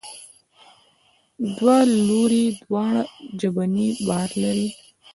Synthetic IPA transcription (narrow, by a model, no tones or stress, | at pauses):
d̪waloɾid̪wɑɳad͡ʒabanibahaɾlaɾi